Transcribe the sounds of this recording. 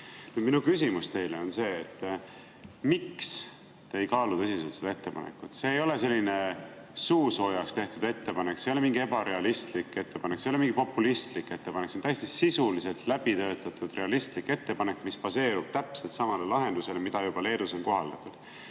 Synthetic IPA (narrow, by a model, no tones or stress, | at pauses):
nyːd̪̥minukysimust̪e̞jleo̞nse̞ːt̪ː | miks | t̪ejkɑːlut̪ɤsiselt̪sed̪ɑe̞t̪ːepɑ̰nḛkːˑut̪se̞ːjo̞le̞se̞lʲːine̞ | suːso̞jɑkst̪e̞ht̪ud̪e̞t̪ːe̞pɑnekːsejo̞lemiŋɡie̞bɑɾe̞ɑlist̪likːˑe̞t̪ːe̞pɑnekːseo̞leiŋɡ̥ipo̞pːˑulist̪likːˑe̞t̪ːe̞pɑneksent̪æjest̪isisulise̞lt̪læb̥it̪ø̞ːt̪ːˑɑt̪ːˑud̪̥re̞ɑlist̪likːe̞t̪ːe̞pɑne̞kːmispɑse̞ːɾub̥̚t̪æpselt̪sɑmɑlelɑɦe̞nd̪use̞lemid̪̥ɑjubɑle̞ːd̪uso̞nko̞ɦɑld̪ɑt̪ːˑud̪̥